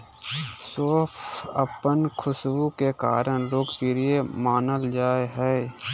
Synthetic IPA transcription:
soːpʰəpənkʰʊswũkeka̰ːɾəɽ̃loːkpiɾijemaːnəld͡ʒaːeɦɛ

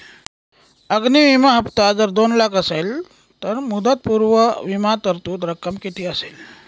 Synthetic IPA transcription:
əɡniʋimaɦəpt̪ad͡zəɾd̪onlakəsel | t̪əɾmud̪ət̪̚puɾʋəʋimat̪əɾt̪uːt̪ɾəkːəmkit̪iːəsel

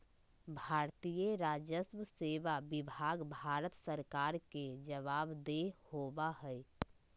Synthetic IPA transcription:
bʱaːɾt̪ijeɾaːd͡ʒjəsməseːʋabɪbʱaːɡbʱaːɾət̪səɾkaːɾked͡ʒəʋaːbd̪ehoːbaɦɛ

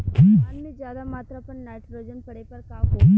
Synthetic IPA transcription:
ɐnːed͡ʒjaːðamaːt̪ɾapɐɳnaːʈɾod͡ʒɐnpɐɽɐjpɐɾkaːko

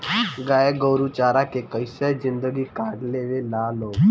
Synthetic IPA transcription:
ɡajeɡəwɾut͡ɕaɾakekəjsəd͡ʑind̪əɡiːkaʈleʋelalo

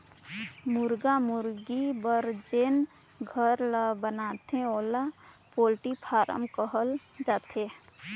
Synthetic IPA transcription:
mʊɾɡamʊɾɡibəɾd͡ʒeːn | ɡʱəɾləbənat̪ʰẽoːlapoːlʈipʰaːɾʔə̰mkəɦəl | d͡ʒaːt̪ʰe

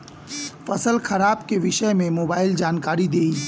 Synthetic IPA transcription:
fɐsəlxɐɾaːbkeʋɪʃəmẽmoːbaːɪld͡ʒaːnkaːɾid̪eːiː

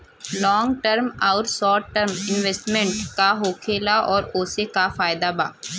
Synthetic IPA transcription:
lɔ̃ːŋɡʈəɾmaʊʈsɔːʈʈəɾmɪ̃nʋesʈmẽɳʈkaɦoːkʰeːlaʔɔːɾoːsekafaːɪd̪aba̰ː

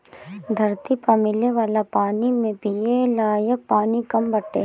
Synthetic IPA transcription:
d̪ʱɐɾt̪ipɐmɪleʋaːlapaːnimẽpielaːjək̚paːnikɐmbɐʈːḛː

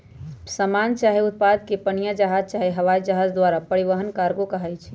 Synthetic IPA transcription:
səmant͡ʃaɦiʊt̪̚pad̪kepənijad͡ʒəɦad͡ʒ̚t͡ʃaɦiɦəʋaid͡ʒəɦad͡ʒd̪waɾapəɾiʋəɦənkaɾɡokəɦəjt͡ʃʰ

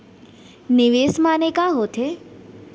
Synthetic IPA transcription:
nɪʋesmanekãɦot̪ʰe

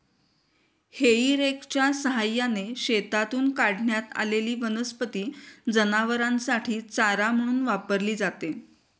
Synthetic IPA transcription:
heiːɾekt͡ɕjasəɦajaneɕet̪at̪uːnkaɽɳjat̪a̰leliːʋənəspət̪iːd͡zənaʋəɾãnsaʈʰiːt͡saɾam̤əɽ̃uːnʋapəɾliːd͡zat̪e

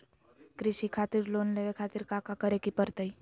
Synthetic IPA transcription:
kɾɪʃikʰat̪iɾlonleʋekʰat̪iɾkakakəɾekipəɾt̪əi

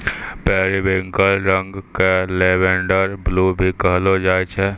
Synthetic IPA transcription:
pɛːɾibẽŋkəlɾə̃ŋɡkeleːbẽːɳɖəɾbluːbʱikəɦlod͡ʒaːet͡ʃʰɛ

